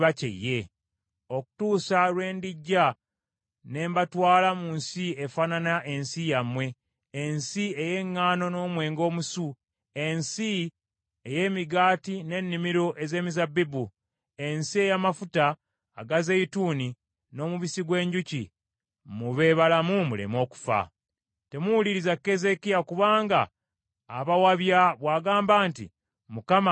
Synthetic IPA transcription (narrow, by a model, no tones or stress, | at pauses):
βacḛjːe̞ | o̞ku̥tuːsalwe̞ːndiɟːa | ne̞ːmbatwaːlamunsiefaːnanaʔe̞nsijamwe̞ː | nsieje̞ŋːaːno̞no̞ːmwe̞ːŋɡo̞ːmusu | e̞nsi | eje̞ːmiɡaːtine̞nːimiɾo̞ʔe̞ze̞ːmizabːibu | e̞nsie̞jamafutaː | ɡazeituːni | no̞ːmuβisiɡwe̞ːɲɟucḭ | muβe̞ːβalamumulḛmo̞ːku̥fa̰ | te̞muwuliɾizakːe̞ze̞kijakuβaːŋɡa̰ː | βawaβjaβwaːɡaːmbaːntḭ | mukama